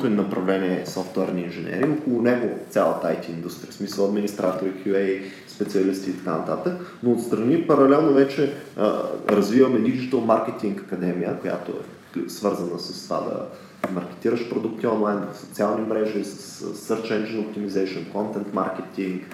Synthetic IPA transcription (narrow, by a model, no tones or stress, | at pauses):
t̪onɐpɾɐvlɛniɛsɔft̪wɛ̰ɾniːnʒɛnʲɛ̰ɾiːokolˠʊnɛɡot̪sʲalˠə̰t̪a̰jt̪ʲiːnd̪ust̪ɾijəsmisəlˠɐd̪minist̪ɾat̪oɾikʲuɛj | spɛtsiɐlist̪iːt̪ɐka̰nət̪at̪əknoːt̪st̪ɾɐnipɐɾɐlɛlˠnovɛt͡ʃɛ̰ | ɾɐzvivɐmɛd̪id͡ʒit̪əlˠmaɾkʲɛt̪iŋkɐkɐd̪ɛmijəkoja̰t̪oɛ̰ | svɤɾzənəsəst̪ova̰d̪ɐ̰ | mɐɾkɛ̥t̪iɾəʃpɾod̪ukt̪iɔnlˠajnvfsot̪sialˠnimɾɛʒisə̥ssːəɾt͡ʃɛnd͡ʒɛnop̚t̪imizɛjʃonkɔnt̪ɛnt̪ma̰ɾkʲɛt̪iŋk